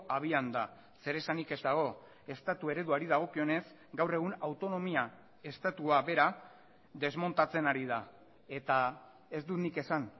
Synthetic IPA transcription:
aβ̞iand̪a | se̞ɾe̞sanike̞zt̪aɣ̞o̞ | e̞st̪at̪ue̞ɾe̞ðuaɾiðaɣ̞o̞kio̞ne̞z | ɡawre̞ɣ̞unawt̪o̞no̞mia | e̞st̪at̪uaβe̞ɾa | ðe̞zmo̞nt̪at͡se̞naɾið̞a | e̞t̪a | e̞zd̪unike̞san

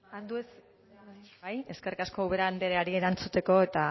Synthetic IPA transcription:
and̪ues | aje̞skerikasko̞uβe̞ɾaand̪eɾeaɾieɾant͡sut̪e̞ko̞e̞t̪a

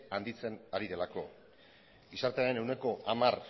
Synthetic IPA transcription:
and̪it͡se̞naɾiðe̞lako̞ | isaɾt̪eaɾene̞wne̞ko̞ʔamar

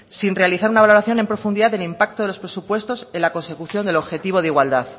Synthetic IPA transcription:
sinre̞aliθaɾunaβalo̞ɾaθjo̞ne̞mpɾo̞fund̪iðaððe̞limpak̚t̪oðeospɾe̞supwe̞st̪o̞se̞nlako̞nse̞kuθjo̞nd̪e̞lo̞βxe̞t̪iβ̞o̞ð̞iɣwald̪aθ

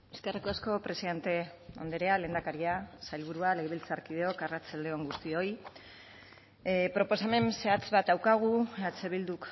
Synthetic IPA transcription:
eskerikoasko̞pɾe̞siðe̞nt̪e̞ | ond̪eɾeale̞ːnd̪akaɾiasajlβ̞uɾuale̞ɣeβilt͡saɾkið̞eo̞karat͡sald̪e̞o̞ŋɡust̪io̞j | pɾo̞po̞same̞nse̞at͡sβat̪̚d̪awkaɣ̞uat͡se̞β̞ild̪uk

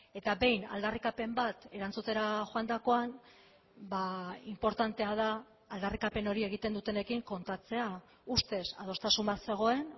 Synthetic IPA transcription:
e̞t̪aβe̞jna̰ld̪arikape̞mbat̪e̞ɾant͡sut̪e̞ɾaʝoand̪ako̞an | baimpo̞ɾt̪ant̪e̞að̞aː | ld̪arikape̞no̞ɾie̞ɣ̞it̪e̞nd̪ut̪e̞ne̞kiŋko̞nt̪at͡se̞a | ust̪e̞sa̰ð̞o̞st̪asumbase̞ɣ̞o̞e̞n

